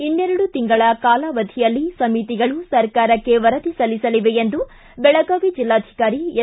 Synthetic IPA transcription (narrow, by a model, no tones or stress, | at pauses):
inːeɾɐɽut̪iŋɡɐɭɐkaːlɐʋɐd̪ʱijɐlːisɐmit̪iɡɐɭusɐɾkaːɾɐkːe̞ʋɐɾɐd̪isɐlisɐliʋe̞end̪u | bɛɭɐɡaːʋid͡ʒilːaːd̪ʱi̥kaːɾie